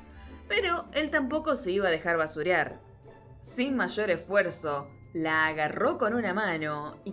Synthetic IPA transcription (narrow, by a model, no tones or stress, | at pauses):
peɾo̞e̞lt̪ampo̞ko̞se̞iβaːðe̞xaɾβasuɾjaɾ | sinmaʒo̞ɾe̞sfweɾso̞ | laːɣaro̞ko̞nunamano̞i